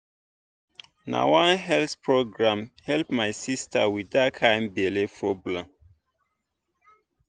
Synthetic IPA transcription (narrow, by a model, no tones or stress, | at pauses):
na̰wãnɦɛlθpɹoɡɹãmhɛlpmajsistʰa̰widakʰãɪ̃mbɛlepʰɹɔblãm